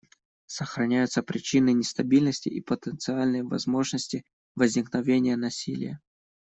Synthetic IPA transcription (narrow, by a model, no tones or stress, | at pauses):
səxɾɐnʲæjʊt̪səpɾʲɪt͡ɕinɨnʲɪst̪ɐbʲilʲnəsʲtʲɪʔipət̪ənt̪sɨalʲnəjvɐ̰zmo̞ʐnəsʲtʲɪ | vəzʲnʲɪknɐvʲenʲɪjənɐsʲilʲɪ̰jə